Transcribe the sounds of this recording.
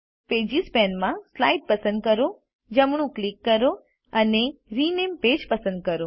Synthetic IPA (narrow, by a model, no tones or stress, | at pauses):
ped͡ʒispɛnmãslaiɖ̚pəsənd̪̚kəɾo | d͡ʒəmɳũklikːəɾo | əneɾinemped͡ʒpəsə̃nd̪̚kəɾo